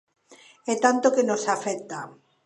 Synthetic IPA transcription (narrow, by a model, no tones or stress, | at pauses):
ɛt̪ant̪okenosafɛkt̪a